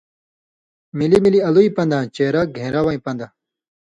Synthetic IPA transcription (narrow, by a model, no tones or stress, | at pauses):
milimiliɐluipɐ̃nd̪ãt͡ɕeːɾaɡʱẽːɾawɐĩpɐ̃nd̪a